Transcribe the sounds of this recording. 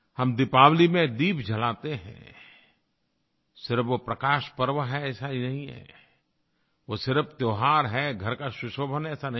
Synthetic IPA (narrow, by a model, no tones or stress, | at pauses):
hɐmd̪ɪpaːwlimẽd̪iːpd͡ʒʱɐlaːt̪eɦɛ̰̃ | sɪɾpʋopɾɐkaːʃpəɾʋəɦɛɛːsaɦinɐɦĩɦɛ̰ | ʋosɪɾəft̪joːɦaːɾɦɛɡʱɐɾkaʃʊʃoːbʱənɛːsanɐ